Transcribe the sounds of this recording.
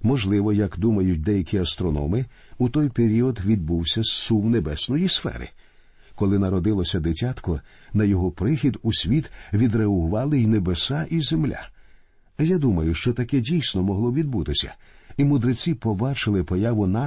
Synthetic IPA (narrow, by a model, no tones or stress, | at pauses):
mɔʒlˠɪʋɔjɐkd̪umɐjʊt̚ʲd̪ɛjɐkʲiɐst̪ɾɔnɔ̰mɪ | ut̪ɔjpeɾʲiɔd̪ʋʲid̪̚buwsʲɐssuwnebɛsnɔjisfɛ̰ɾɪ̰ | kɔlˠɪnɐɾɔd̪ɪlˠɔsʲɐd̪etʲat̪kɔnɐjɔɦɔpɾɪxʲid̪usʲʋʲit̪ʋʲid̪ɾeɐɦʊʋɑlˠɪjnebesaʔizemlʲa̰ | jad̪umɐjʊʃt͡ʃɔt̪ɐkɛdʲijsʲnɔmɔɦlˠɔʋʲid̪̚but̪ɪsʲɐ̰imʊd̪ɾet͡sʲipɔbɑt͡ʃɪlˠɪpɔjaʋʊna